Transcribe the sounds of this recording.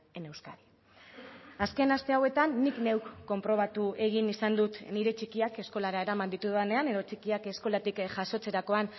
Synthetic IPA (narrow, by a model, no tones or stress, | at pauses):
e̞ne̞wskaði | aske̞nast̪e̞awe̞t̪anːikne̞wkːo̞mpɾo̞β̞at̪ue̞ɣ̞inisand̪ut̪niɾe̞t͡ʃikiake̞sko̞laɾae̞ɾamand̪it̪uðane̞ane̞ð̞o̞t͡ʃikiake̞sko̞lat̪ikʝaso̞t͡se̞ɾako̞an